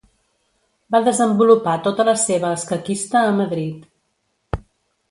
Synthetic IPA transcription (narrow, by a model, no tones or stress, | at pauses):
baðəzəmbulupat̪ot̪ələseβəəskəkist̪əːməðɾit̪